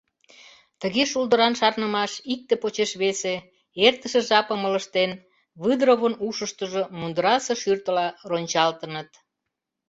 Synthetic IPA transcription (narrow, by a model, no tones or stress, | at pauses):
t̪əɣeʃuld̪əɾɑnʃɑrnəmɑʃik̚t̪epot͡ɕeʃβese | ert̪əʃĕʒɑpəmələʃt̪en | βɨd̪ɾoβənuʃəʃt̪əʒomund̪əɾɑsəʃyrt̪əlɑronʲt͡ɕɑlt̪ənət̪